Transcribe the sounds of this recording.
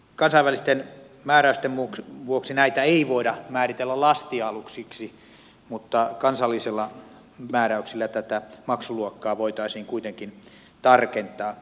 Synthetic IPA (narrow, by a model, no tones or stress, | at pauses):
kɑnsɑiʋælist̪en | mæːɾæyst̪emmukʋuoksinæit̪æeiʋoidɑmæːrit̪elːælɑst̪iɑluksiksi | mut̪ːɑkɑnsɑlːˑiselːɑ | mæːræyksilːæt̪æt̪æmɑksuluokːɑːʋoit̪ɑisiːŋkuit̪eŋkin | t̪ɑrkent̪ˑɑː